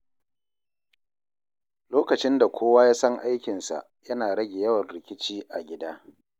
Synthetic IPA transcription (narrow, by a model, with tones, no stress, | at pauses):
loː˦kɐ˨t͡ʃɪ˦nda˨kʷoː˦waː˦jaː˦sɐ˦ŋʔa˦jkʲɪ˨nsa̰˨ | jɐ˦naː˨ɽɐ˦ɡʲe˨jɐ˦wɐ˨nɽɪ˨kʲɪ˦t͡ʃiː˦ʔa˨ɡʲɪ˦daː˦